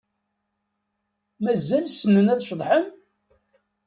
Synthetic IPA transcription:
mæzælsənːənæθʃðˤħən

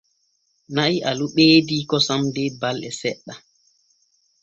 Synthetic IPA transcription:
naʔiʔaluɓeːdikɔsamdɛbalʔɛsɛɗːa

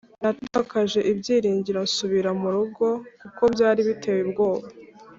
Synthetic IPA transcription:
nataːkaʒe̞ʔibɟiːɾiːɲɟiɾansuβiɾamuɾuɡo̞kuko̞bjaːɾiβitʰe̞ːwebɡo̞ːβa

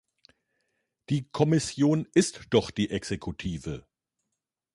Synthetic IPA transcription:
d̥iːkʰɔmɪsjoːnʔɪstd̥ɔχd̥iːʔɛkz̥ekʰutʰiːvə

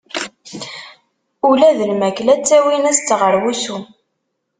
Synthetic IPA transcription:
ulæðəlmæklæt͡sːæwinæst̪ːəʁəɾwusu

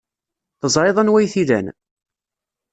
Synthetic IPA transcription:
θəzˤɾeðˤɑnwæjθiðæ̰n

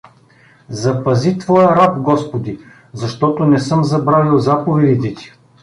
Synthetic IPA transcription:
zɐpɐzit̪vɔjɐɾabɡɔspod̪i | zɐʃt̪ɔt̪onɛsɤmzɐbɾavilˠzapovɛd̪it̪ɛt̪i̥

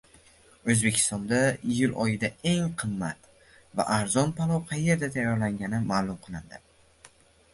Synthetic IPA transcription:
ɵzbe̞kʲʰɪ̥st̪ɒnd̪aɪjʊlɒjɪd̪ae̞ŋqʰɨmːat̪ | va̰ʔaɾzɒnpʰalˠɒwqʰɑjːe̞ɾd̪at̪ʰajɒɾlaŋɡʲanɪmaːlˠʊmqʰɨlˠɪnd̪ɪ

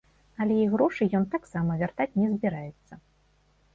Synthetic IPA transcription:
ɐlʲɛjiɣɾɔʂɨjɔnt̪aksamɐvʲart̪at͡sʲnʲɛzʲbʲiɾajɛt̪sːɐ

